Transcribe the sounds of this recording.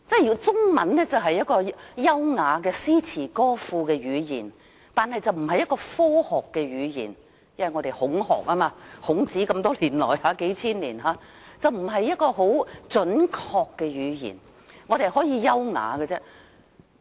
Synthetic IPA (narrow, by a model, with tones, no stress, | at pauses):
t͡sɛː˥˩jt͡sʊ˥ŋmɐ̰˨˥nnɛː˥t͡sɐ˨wɦɐ˨jːɐ˥t̚kɔː˧jɐ˥wŋaː˨˧kɛː˧siː˥t͡sʰiː˨˩kɔː˥fuː˧kɛː˧jyː˨˧jiː˨˩n | t̪aː˨nhɐ˨jt͡sɐ˨wm̩˨˩ɦɐ˨jɐ˥t̚kɔː˧fɔː˥hɔː˨kːɛː˧ɥyː˨˧jḭː˨˩n | jɐ˥˩wɐ˨jŋɔ˨˧ɾe˨jhʊ˨˥ŋhɔ̰ː˨k̚aː˥maː˧hʊ˨˥ŋt͡siː˨˥kɐ˧mt̪ɔː˥liː˨˩nlɔ̰ː˨˩jhaː˨˥ke˨˥jt͡sʰiː˥nlḭː˨˩nɦaː˨˧˥ | t͡sɐ˨wm̩˨˩ɦɐ˨jːɐ˥t̚kɔː˧ɦo˨˥wt͡sɵ˨˥nkʰɔː˧kːɛː˧ɥyː˨˧jḭː˨˩n | ŋɔː˨˧ɾe˨˩jɦɔː˨˥jiː˨˧jɐ˥wŋa̰ː˨˧kɛ˧t͡sɛː˥